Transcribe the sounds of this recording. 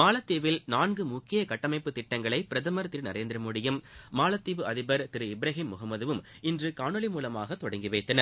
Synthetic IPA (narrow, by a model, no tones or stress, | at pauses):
maːlɐt̪ːiːʋɪlnaːnɡɯmʊkːɪjɐkɐʈːɐmɐɪpːɯt̪ːɪʈːɐŋɡɐɭɐɪpɪɾɐðɐmɐɾt̪ɪɾnɐɾeːnd̪ɪɾɐmʊɽɪjɯmːaːlɐt̪ːiːʋɯɐðɪbɐɾt̪ɪɾɯɪbɪɾɐɣɪmːʊɣɐmːɐðɯʋɯm | ɪndrɯkaːɳɯlɪmuːlɐmaːɣɐt̪ːɔɽɐŋɡɪʋɐɪt̪ːɐnɐɾ